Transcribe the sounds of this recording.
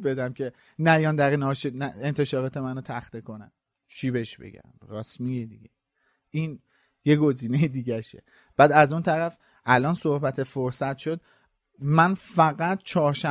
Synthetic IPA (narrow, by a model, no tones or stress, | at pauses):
be̞d̪æmcʰe | næjɒnd̪æɾinɒʃenæent̪ʰe̞ʃɒːɾɒːt̪ʰe̞mænot̪ʰæxt̪ekʰonæ̰m | ʃiːbeʃb̥ḛɟæ̰mrɒːsmijed̪iɟḛ | ʔiːn | je̞ɡo̞ziːnejed̪iːɟæʃḛ | b̥æːd̪æzunt̪ʰæɾæf | ʔælɒːnso̞hbæt̪ʰe̞foɾsæt̪ʃod̪̚ | mænfæɣæt̪̚ʰt͡ʃʰɒːɾʃæ